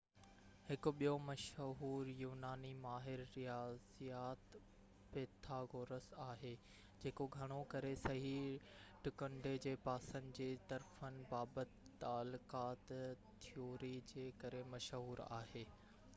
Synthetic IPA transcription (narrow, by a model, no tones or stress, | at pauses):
hɪkʊ̆ɓijomɐʃɦuːɾjuːnaːnimaːɦɪɾːijaːzijaːt̪ | peːt̪ʰaɡoːɾəsaːɦeː | d͡ʑeːkoɡʱɐɽ̃okɐɾesɐɦiʈʊkə̃ɳɖed͡ʑeːpaːsə̃nd͡ʑeːt̪ɐɾfənɪ̆baːbət̪ːaːlʊkaːt̪ | t̪ʰːijoːɾid͡ʑeːkɐɾemɐʃɦuːɾa̰ːɦeː